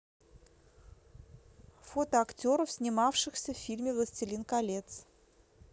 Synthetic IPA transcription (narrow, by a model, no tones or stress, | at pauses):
fo̞t̪əɐktʲo̞ɾəfsʲnʲɪmafʂɨxsʲəfʲfʲilʲmʲɪvlˠəsʲtʲɪlʲinkɐlʲe̞t̪s